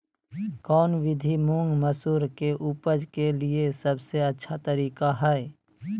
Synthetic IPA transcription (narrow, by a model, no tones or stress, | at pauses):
kɔːnʋɪd̪ʱimʊ̃ŋɡməsuːɾkeʔupəd͡ʒkeliesɐbseɐtːʃʰat̪əɾiːkaɦɛe